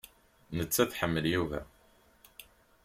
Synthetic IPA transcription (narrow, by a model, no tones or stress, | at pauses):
nət͡sːæθħəmːəljuvæ̰